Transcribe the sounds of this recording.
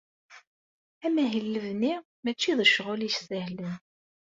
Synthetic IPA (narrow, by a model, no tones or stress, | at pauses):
æmæɦəlːəvni | mæt͡ʃːiðˤəʃʁʊliʃsəhlən